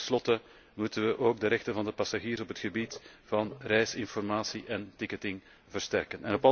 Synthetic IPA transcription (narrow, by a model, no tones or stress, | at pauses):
slɔtə | mutənʋəʔoːɡ̚dəɾɛxtənvɑndəpɑsaɣiːrsɔpɦətxəbitv̥ɑnrɛjsɪnfɔrmaːsiʔɛntɪkətɪŋ | vərstɛrkənʔɛnɔpɑ